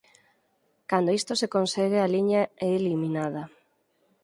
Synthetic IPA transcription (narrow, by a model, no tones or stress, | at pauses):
kand̪oist̪osekonsɛɣealiɲaeːliminaðɐ